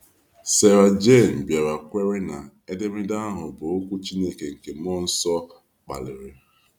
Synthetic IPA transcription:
se˨ɾa˨d͡ʒe˦˨m̩˨bje˨ɾa˨kʷe˦ɾe˦na˨ | e˦de˦mɪ˦da˦ɦʊ˨bʊ˨o˦kʷu˦t͡ʃi˦ne˦ke˨ŋ̩˨ke˨m˦ɔ˦n̩˦sɔ˦ | k͡pa̰˨lɪ˨ɾɪ˨

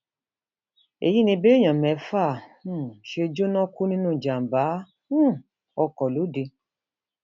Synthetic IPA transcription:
ḛ˨ji˦nĩ˧be˦ɲã˨mɛ˨˦fãː˦˨˦ʃe˧d͡ʒo˦nɔ̃˦ku˦nĩ˦nũ˦˨d͡ʒa˨m˨baː˨˦ | ɔ˧kɔ˨lu˨˦de˧

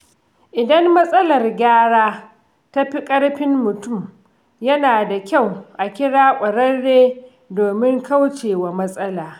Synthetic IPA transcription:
ʔɪ˨dɐ˦mːɐ˦sʼɐ˦lɐ˨rɡʲaː˦ɽaː˦ | ta˦ɸi˦kʼɐ˦ɽɸɪ˦mːʊ˨tʊ˦˨m | jɐ˦naː˨da˨kʲa˦˨wʔa˨kʲɪ˦ɽaː˦kʷʼɐ˨ɽɐ˦rːeː˦ | doː˨mɪ˦ŋka˦wt͡ʃeː˨waː˨mɐ˦sʼɐ˦laː˨

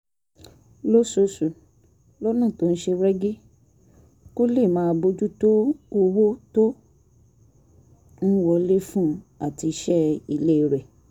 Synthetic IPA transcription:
lo˦so˨˧su˨ | lɔ˦nã˦˨to˦n̩˦ʃe˧ɾɛ˦ɡi˦ | ko˦le˦˨mãː˨˧bo˧d͡ʒu˦to˦o˧wo˦to˦ | n̩˦wɔ˧le˦fũ˦a˦˨ti˧˦ʃɛ˦i˧le˦i˨˧ɾɛ˨

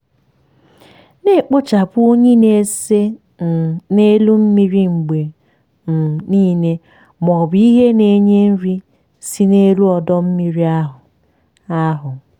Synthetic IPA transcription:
ne˦˨k͡pʊ˦t͡ʃa˨pʊ˦o˦ɲi˦ne˨se˦˨ | ne˦lu˦m̩˦mi˦ɾi˦ŋ͡m̩˨ɡ͡be˨ | m̩˨niː˦ne˦ | mɔ˨bi˦ɦe˦ne˨ɲe˦n̩˦ɾi˦ | si˦ne˦lu˦ɔ˨dɔ˦m̩˦mi˨ɾi˦a˦ɦʊ˨ | a˦ɦʊ˨

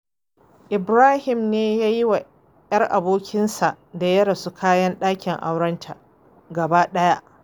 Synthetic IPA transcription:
ʔɪ˨bɾaː˦hɪ˨mneː˦jaː˦ji˦wa˨ | jɐ˦rʔa˨boː˦kʲʰɪ˦nsa˨ʔda˨jɐ˦ɾɐ˨su˦kʰaː˦jɐ˦nɗaː˦kʲɪ˨ŋʔa˦wɽɐ˦ntʰa˨ | ɡɐ˨baː˦ɗɐ˦ja˦ʔ

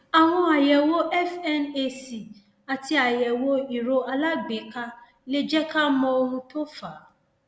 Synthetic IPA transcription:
a˨ɦʊ̃˦a˨jɛ˨wo˦ʔɛ˦fɛ˦ne˦si˨ | a˨tʰɪ˦a˨jɛ˨wo˦i˨ɾo˦a˨la˦be˨kʰa˦ | le˦d͡ʑɛ˦kʰa˦mɔ̃˦wo˦nũ˦tʰo˦fa˨

